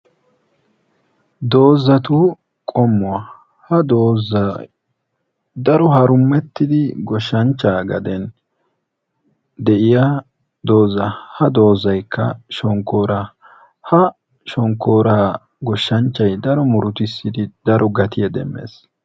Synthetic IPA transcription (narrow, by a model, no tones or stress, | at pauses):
d̪o̞ːzːɐt̪ʊ | kʼɔmːʊwɐ | hɐd̪o̞ːzːɐ | d̪ɐɾɔhɐɾʊmːɛt̪ːɪd̪ɪɡɔʃːɐnt͡ʃːaːɡɐ̰d̪ɛn | d̪ɛʔɪja | d̪o̞ːzːɐhɐd̪o̞ːzːɐjkʰːɐ̰ʃɔŋkːo̞ːɾaː | hɐ | ʃɔŋkːo̞ːɾaː | ɡɔʃːɐnt͡ʃːɐjd̪ɐɾɔmʊɾʊt̪ɪsːɪd̪ɪd̪ɐɾʔɔɡɐt̪ɪjɛd̪ɛ̰mːe̞̰ːs